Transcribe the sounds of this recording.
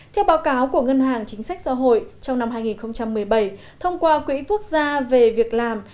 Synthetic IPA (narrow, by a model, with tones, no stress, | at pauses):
t̪ʰɛ˧wɓaː˨˦wkaː˨˦wku˧˩əŋə˧nhaː˨˩ŋt͡ɕï˨˦ŋ̟sa˦˥k̚sa̰˧˥ɦo̰˧˨jt͡ɕɔ˧ŋ͡mna˧mhɦaː˧jŋi˨˩nxə˧wŋ͡mt͡ɕa˧mːɨ˨˩əjɓə˧˩j | t̪ʰə˧wŋ͡mkwaː˧kwḭ˧˥ku˦˥ək̚zaː˧ve˨˩vi˨˩ək̚laː˨˩m